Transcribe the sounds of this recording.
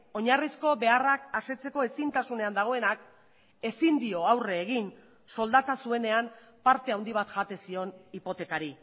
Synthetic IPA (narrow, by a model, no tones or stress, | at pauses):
o̞ɲarisko̞be̞arakase̞t͡se̞ko̞e̞sint̪asune̞and̪aɣ̞o̞e̞nak | e̞sind̪io̞awre̞ːɣ̞in | so̞ld̪at̪asue̞ne̞am | paɾt̪e̞awnd̪iβ̞at̪ʝat̪e̞sio̞nipo̞t̪e̞kaɾi